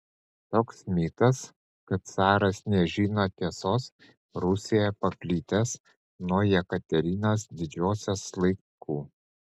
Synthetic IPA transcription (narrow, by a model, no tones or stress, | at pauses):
t̪oːksmʲiːt̪ɐs | kɐt̪̚sɑːɾɐsnʲɛʒʲiːnot̪ʲiɛsoːs | ɾʊsʲijɛpɐpʲlʲiːt̪ʲɛs | nuɔjɛkɐt̪ʲɛɾʲiːnʲos̬d̪ʲɪd͡ʒʲoːsʲɛslˠɐɪ | kuː